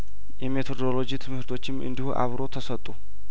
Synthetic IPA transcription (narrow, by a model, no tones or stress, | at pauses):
jɛme̞t̪ʰo̞d̪olo̞d͡ʒit̪ʰɨmhɨɾt̪ʰo̞t͡ʃːɪmʔɨ̰nd̪ihuʔa̰βɾo̞t̪ʰəsət̪ʼːu